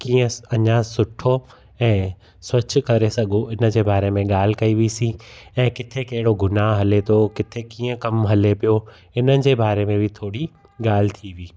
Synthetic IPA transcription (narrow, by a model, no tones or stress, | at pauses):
kiːə̃ɐɲasʊʈʰo | ɛ̃ː | swɐt͡ɕkɐɾesɐɡʱoʔɪnə̆d͡ʑeːbaːɾemẽɠaːl̤ɪkɐiʋisĩɛ̃ːkɪt̪ʰekɐɦɪɽoɡʊnaːɦɦɐlet̪ʰokɪt̪ʰekĩːə̃kɐmɦɐlepijo | ɪnənɪ̆d͡ʑeːbaːɾemẽbʱɪt̪ʰoːɽi | ɠaːl̤ɪt̪ʰiʋiː